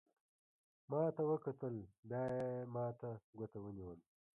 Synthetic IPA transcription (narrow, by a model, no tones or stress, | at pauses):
mɑːt̪awəkat̪əld̪ɑjemɑːt̪aɡot̪awəniwəl